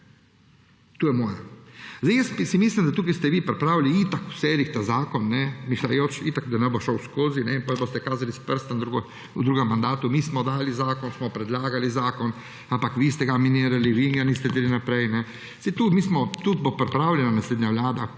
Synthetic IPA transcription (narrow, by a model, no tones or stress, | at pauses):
t̪uːjɛmɔːjazajɛspisimiːslimd̪at̪uːk̬ist̪ɛʋiːpɾɛpɾaːwliit̪aku̥selixt̪azaːkɔnːɛmiʃlajoːt͡ʃit̪akd̪anɛboʃɔwskoːzinɛpɔjbost̪ɛkaːzalispəɾst̪and̪ɾuɡ | ud̪ɾuːɡɛmːand̪aːt̪umiːsmɔd̪aːlizaːkɔnsmɔpɾɛd̪laːɡalizaːkɔn | ãmpakʋiːst̪ɛɡaminiːɾaliʋinjanist̪ɛd̪ilinapɾɛjnɛ | sit̪uːmiːsmɔt̪ut̪̚bopɾɛpɾawlʲɛnanasleːd̪ɲaʋlaːd̪a